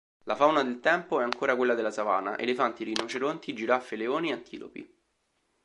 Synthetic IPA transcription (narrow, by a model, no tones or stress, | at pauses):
lafawnad̪elt̪ɛmpoɛaŋkoːɾakwelːad̪elːasava̰ːnaʔḛlefant̪iɾinot͡ʃeɾont̪id͡ʒiɾafːeleoːniant̪ʰḭːlo̰pḭ